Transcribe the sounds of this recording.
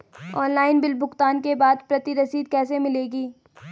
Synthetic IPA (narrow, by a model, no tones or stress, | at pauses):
ɔːnlaːɪnbɪlbʱʊxt̪aːnkebaːd̪pɾɐt̪iɾɐsiːd̪kɛːs̬emɪleːɡiː